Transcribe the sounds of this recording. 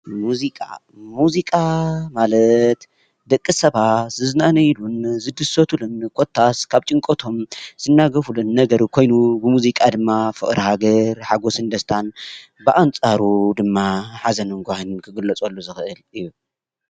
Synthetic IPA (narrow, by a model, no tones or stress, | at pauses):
muzikʼa̰ | muzikʼamalɐt̪ | d̪ɐkʼːɨsɐβat̪zɨzɨnanɐjlunzɨd̪ɨsot̪ʰulunkʰot̪ʰːaskʰaβt͡ʃʼɨŋkʼot̪ʰo̞mz̥ɨnːaɡɐfulunːɐɡɐɾukʰo̞jnubɨmuzikʼad̪ɨmːafɨʔʼɾihaɡɐɾħaɡo̞sɨnd̪ɐst̪ʰan | bɨʔant͡sʼaɾud̪ɨmːaħazɐnɨŋɡʷahɨnkʰɨɡɨlːɐt͡sʼolːuzɨxɨʔɨlɨjːu